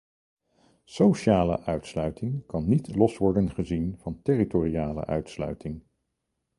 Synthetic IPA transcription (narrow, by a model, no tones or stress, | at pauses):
sowʃaːlə̰ʔœɥtslœɥtɪŋkɑnːitlɔsʋɔɹdənχəzinv̥ɑntɪritoriaːlə̰ʔœ̰ɥtslœ̰ɥtɪŋ